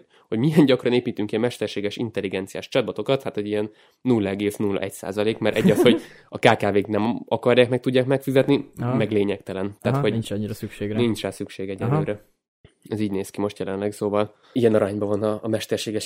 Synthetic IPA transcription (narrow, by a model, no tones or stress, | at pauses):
ho̞ɟmijɛnɟɒkrɒneːpiːt̪yŋkiɛmɛʃt̪ɛrʃeːɡɛʃint̪ɛlːiɡɛnt̪sijaːʃt͡ʃɒd̪̚bɒt̪o̞kɒt̪hat̪ozijɛnː | ulːɒɛɡeːsnulːɒ̰ʔɛcsa̰ːzɒleːkmɛɾʔɛɟːɒsho̞ɟ | ɒkaːkaːveːknɛmɒkɒrjaːkmɛkt̪uɟːaːkmɛkfizɛt̪nimɛɡleːɲɛkt̪ɛlɛnt̪aːt̪hoɟɲːiɾsykʃeːɡnint͡ʃraːsykʃeːɡɛɟɛnːøːɾɛ | ɛziːɟneːskimo̞ʃt̪jɛlɛnlɛɡsoːvɒl | ijɛnɒɾaːɲbɒvɒnɒmɛʃt̪ɛrʃeːɡɛʃ